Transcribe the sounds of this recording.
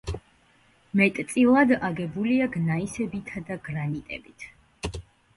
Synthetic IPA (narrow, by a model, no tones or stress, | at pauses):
mɛt̪ʼt̪sʼilˠad̪aɡɛbuliaɡnaisɛbit̪ʰad̪aɡɾanit̪ʼɛ̰bit̪ʰ